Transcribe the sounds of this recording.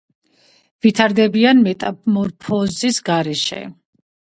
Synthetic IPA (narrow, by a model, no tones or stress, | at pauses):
vit̪ʰaɾd̪ɛbianmɛt̪ʼamɔɾpʰɔzisɡaɾɛʃɛ̰